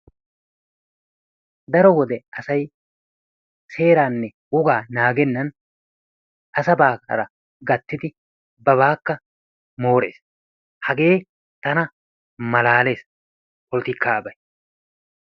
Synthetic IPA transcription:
d̪ɐɾɔwɔd̪ɛʔɐsɐj | se̞ːɾaːnːɛ | ʊɡaːnaːɡɛnːɐn | ʔɐsɐbaːkɐ̰ɾɐ | ɡɐt̪ːɪd̪ɪ | bɐβaːkːɐ | mo̞ːɾḛːs | hɐɡe̞ː | t̪ɐnɐ | mɐlaːle̞ːs | kɔlt̪ɪkːaːbɐj

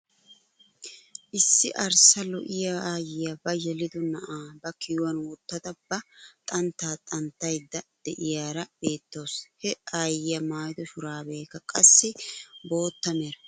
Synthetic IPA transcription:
ʔɪsːɪʔɐɾsɐlɔ̰ʔɪjaaːjɪjɐbɐjɛlɪd̪ɔnɐʔaːbɐkɪjʊwɐnwɔt̪ːɐd̪ɐb̥ɐt̪ʼɐnt̪ːaːt̪ʼɐnt̪ːɐjd̪ːɐd̪̥ɛʔɪjaːɾɐb̥e̞ːt̪ːo̞ːshɛaːjɪjɐmaːjd̪ɔʃʊɾaːbe̞ːkːɐkʼɐsːɪbo̞ːt̪ːɐmeːɾɐ

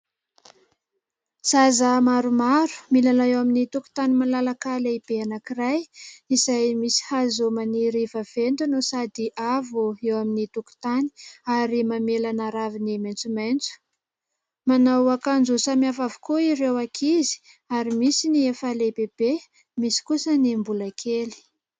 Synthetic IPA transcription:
sazamaɾumaɾu̥milanaewaminit̪uku̥t̪animalalakaleib̥eanakirajizajmisi̥hazomaniɾivav̥end̪unusad̪iʔavuewaminit̪uku̥t̪ani̥aɾimamelanaɾavinimajnt͡sumajnt͡su̥ | manawakand͡zusamiafavu̥koiɾewakʰizi̥ | aɾimisiniefalebeb̥e | misi̥kusənimbulakʰeli̥

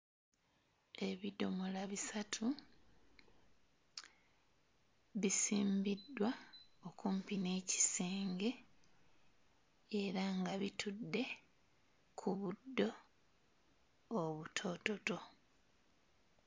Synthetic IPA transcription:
e̞βido̞molaβisatʰu | βisiːmbidːwao̞kumpine̞ːci̥seːŋɡe̞ | eɾaŋɡaβitudːe̞ | kʰuβudːo̞ | βutʰo̞ːto̞to̞

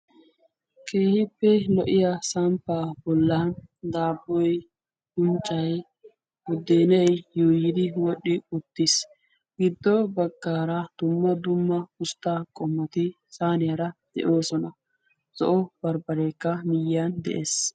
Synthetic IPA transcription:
kʰʼeːhɪpːɛlɔʔɪjasɐmpːaːbɔlːɐnd̪aːbːɔj | hʊnt͡ʃʼːɐj | wʊd̪eːnɛjjoːjɪd̪ɪwɔɗːɪʊt̪ːɪs | ɡ̥ɪd̪ːɔbɐɡːaːɾɐd̪̥ʊmːɐd̪ʊmːɐʊst̪ːaːkʼɔmːɐt̪ɪ | saːnɪjɐɾɐd̪̥ɛ̰ʔo̞ːsɔnɐ | z̥ɔ̰ʔɔbɐɾbɐɾeːkːɐmɪjːand̪ɛ̰ʔḛːs

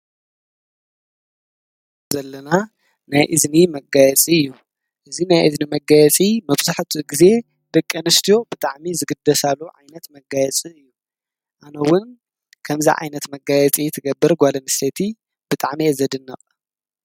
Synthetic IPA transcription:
zɐlːɐna | najʔɨznimɐɡajɛt͡sʼiɨjːu | ʔɨzinajʔɨznimɐɡajɛt͡sʼimɐβzaħt̪ʰiɡize̞ | d̪̥ɐkʼːɐnɨst̪ʰijo̞bɨt̪ʼaʕmizɨɡɨd̪ːɐsalːuʕa̰jnɐt̪mɐɡajɛt͡sʼiɨjːu | ʔanɐwʊn | kʰɐmzḭʕa̰jnɐt̪mɐɡajɛt͡sʼit̪ʰɨɡɐbːɨɾɡʷalɐnɨset̪ʰi | b̥ɨt̪ʼaʕmizɐd̪ɨnːɐ̰qʼ

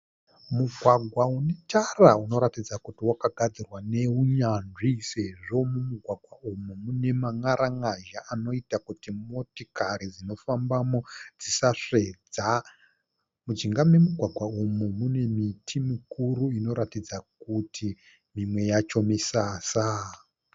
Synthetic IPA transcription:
muɡʱwaɡʱwaunetarauno̞ɾatid͡zakutiwakaɡʱad͡zirwane̞uɲanʐise̞ʐo̞mumuɡʱwaɡʱwaumumune̞maŋaɾaŋaʒaʔano̞itakutimo̞tikaɾid͡zino̞fambamo̞d͡zisaʂe̞d͡za | mud͡ʒiŋɡamwe̞muɡʱwaɡʱwaumumune̞mitʰimikuɾuino̞ɾatid͡zakutʰi | mimwe̞jat͡ʃo̞misaːsa

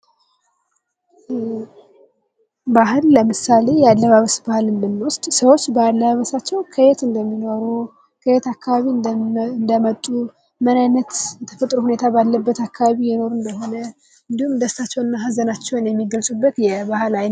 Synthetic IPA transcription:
bahɨlːəmɨsale̞jɛalːəβaβəsbahlɨnd̪ɨnːwʊst̪ʼsəwo̞t͡ʃːbahlːəaβəsat͡ʃːɛwkʰəjet̪ɨnd̪əmːino̞ɾu | kʰəjet̪akːaβaβiɨnd̪əmət̪ʼːu | mənajnːət̪jɛt̪ʰə̥fət̪ʼɾuhune̞t̪ʰabalːəbːət̪akʰːaβaβijɛno̞ɾunbəhonə | ɨnd̪ihumd̪əst̪ʰat͡ʃːɛwɨnːaɦazənat͡ʃːɛwnjɛmːiɡəlsʼubːət̪jɛbahlajn

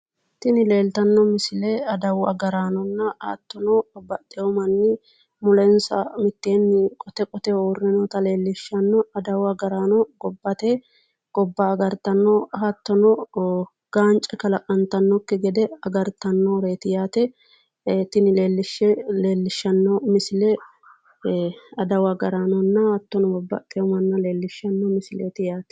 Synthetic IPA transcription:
t̪ɪnɪle̞ːlt̪ɐnːɔmɪsɪleɐd̪ɐwɐ̰ɡɐɾaːnɔnːɐha̰ːt̪ːɔnɔbɐt̪ːɛɔmɐnːɪ | mʊlɛnsɐ̰mɪt̪ːe̞ːnːɪkʼɔt̪ɛkʼɔt̪ɛoːrːɪnɔt̪ɐle̞ːlːɪʃːɐnːɔɐd̪ɐwɐɡɐɾaːnɔɡɔbːɐt̪eː | ɡ̥ɔbːɐːɡɐɾt̪ɐnːɔɐt̪ːɔnɔ | ɡ̥aːnt͡ʃʼɛkɐlɐʔʼɐnt̪ɐnːɔkːɪɡɛd̪ɛɐɡɐɾt̪ɐnːoːɾeːt̪ɪjaːt̪ɛ | et̪ːɪnɪleːlːɪʃːɛleːlːɪʃːɐnːɔmɪsɪlɛ | ɐd̪ɐwɐɡɐɾaːnɔnːɐhɐt̪ːɔnɔbɔbːɐ̰t̪ʼɛɔmɐnːɐle̞ːlːɪʃːɐnːɔmɪsɪleːt̪ɪjaːt̪ɛ̥

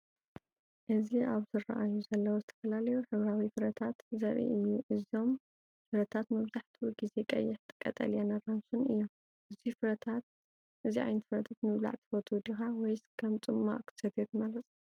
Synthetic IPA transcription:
ʔɨziaβzɨrɐ̰ʔajuzɐlːɐwozɨt̪ʰɐfɐlalɐjuħɨβɾawifɨɾɐt̪ʰat̪zɐɾʔḭʔɨjːuʔɨzo̞m | fɨɾɐt̪ʰat̪mɨβzaħt̪ʰuɡize̞kʼɐ̰jːɪħt̪ʰɨ̥kʼːɐ̰t̪ʼɐ̰ljanɐramsunɨ̰jːom | ʔɨzifɨɾɐt̪ʰat̪̚ | ʔɨziʕa̰jnɐt̪fɨɾɐt̪ʰat̪mɨβla̰ʕt̪ʰi̥fot̪ʰud̪ixawɔjskʰɐmt͡sʼɨmːa̰ʔkʰɨ̥sɐd̪et̪ɨmalɐt̪ʼ

